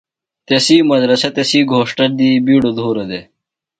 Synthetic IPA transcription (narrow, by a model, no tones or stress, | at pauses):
t̪esiːmɐd̪ɾɐset̪esiːɡʱoːʂʈɐɾd̪iːbiːɽod̪ʱoːɾɐd̪e